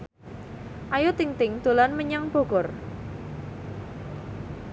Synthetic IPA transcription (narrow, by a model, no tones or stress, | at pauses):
ʔajot̪iŋt̪ɪŋd̪̥o̤lanməɲaŋb̥o̤ɡ̥ɔ̤r